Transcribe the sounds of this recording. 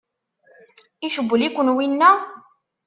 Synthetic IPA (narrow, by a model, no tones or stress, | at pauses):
iʃəbːəlikʷʊnwinːæ